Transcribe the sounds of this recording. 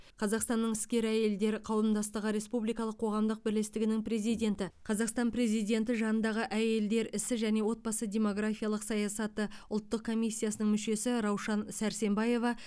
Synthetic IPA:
qʰɑzɑqst̪ɑnːəɴɪskʲe̞ɾæje̞ld̪e̞ɾɪqʰɑwəmd̪ɑst̪əʁəɾe̞spublijkɑlˠəqʰːo̞ʁɑmd̪əq̚bɪɾlest̪ɪɡʲɪnɪŋpɾezijd̪ʲe̞nt̪ɪqʰɑzɑqst̪ɑnpɾe̞zijd̪ʲe̞nt̪ɪʒɑnənd̪ɑʁəʔæje̞ld̪e̞ɾɪsɪʒæne̞wo̞t̪̚bɑsəd̪ʲe̞mo̞ɡrafijalˠəqsɑjɑsɑt̪əʊlˠt̪ːəq̚kʰo̞mʲijsʲːijasənəɴŋmʏʃe̞sɪɾɑwʃɑnsæɾse̞mbɑje̞vɑ

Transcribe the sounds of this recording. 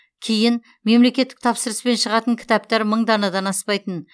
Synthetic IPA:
kʲʰejɪn | me̞mle̞kʲe̞t̪ːɪk̚t̪ʰɑpsəɾəspe̞nʃəʁɑt̪əŋkʲʰɪ̥t̪ɑp̚t̪ɑɾməɴd̪ɑnɑd̪ɑnɑspɑjt̪ən

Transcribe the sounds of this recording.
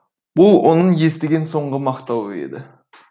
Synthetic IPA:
bʊlˠwo̰nəɴje̞st̪ɪɡʲe̞nso̞ɴʁəmɑqt̪ɑwəe̞̰d̪ɪ

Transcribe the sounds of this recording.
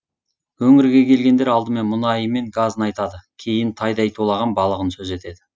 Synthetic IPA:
wɵŋɪɾɡʲe̞kʲʰe̞lɡʲe̞nd̪e̞ɾɑlˠd̪əme̞nmʊnɑjəme̞ŋɡazənɑjt̪ɑd̪əkʲʰe̞jɪnt̪ʰɑjd̪ɑjt̪ʰolˠɑʁɑnbɑlˠəʁənsɵze̞t̪e̞d̪ɪ

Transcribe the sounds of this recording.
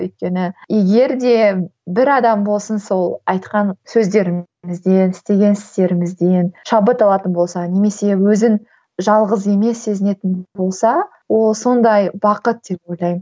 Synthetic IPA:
ɵjt̪̚kʲe̞nɪje̞ɡʲe̞ɾd̪e̞bɪɾɑd̪ɑmbo̞lˠsənso̞lˠɑjt̪qɑnsɵzd̪e̞ɾɪm | mɪzd̪e̞nɪst̪e̞ɡʲe̞nsɪ̥st̪e̞ɾɪmɪzd̪enʃɑbət̪ɑlˠɑt̪ənbo̞lˠsɑne̞me̞se̞wɵzɪn | ʒɑlˠʁəze̞me̞sːe̞zɪne̞t̪ɪnbo̞lˠsɑ | wo̞lˠso̞nd̪ɑjbɑqət̪̚d̪̥e̞po̞jlˠɑjmə

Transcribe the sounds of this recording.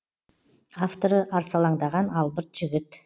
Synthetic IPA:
aft̪o̞ɾəʔɑɾsɑlˠɑɴd̪ɑʁɑnɑlˠbəɾt̪ʒ̥ʏɡʲɪt̪

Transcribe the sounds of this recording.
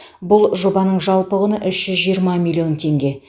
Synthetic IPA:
bʊlˠʒo̞bɑnəɴʒɑlˠpəʁənəʔʏʃʒ̥ʏzʒijəɾmɑmʲilʲio̞nt̪ʰe̞ŋɡʲe̞

